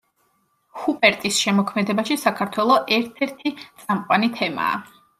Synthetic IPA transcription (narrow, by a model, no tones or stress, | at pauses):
hupʼɛɾt̪ʼisʃɛmɔkʰmɛd̪ɛbaʃisakʰaɾt̪ʰwɛlˠɔʔɛɾt̪ʰɛɾt̪ʰit̪sʼamqʼwanit̪ʰɛma̰ː